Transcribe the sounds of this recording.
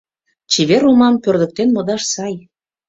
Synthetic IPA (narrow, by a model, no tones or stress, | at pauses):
t͡ɕiβeɾumɑmpørd̪ə̆k̚t̪enmɤ̆d̪ɑʃsɑj